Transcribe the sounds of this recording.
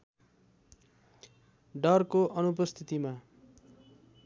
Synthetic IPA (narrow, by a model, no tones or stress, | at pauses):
ɖʌrkoʔʌnupʌst̪ʰit̪ima